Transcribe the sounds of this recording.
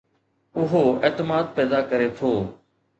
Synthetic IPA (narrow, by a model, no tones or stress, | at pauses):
ʊɦoːeːt̪ɪmaːd̪̚pɛːd̪akəɾet̪ʰoː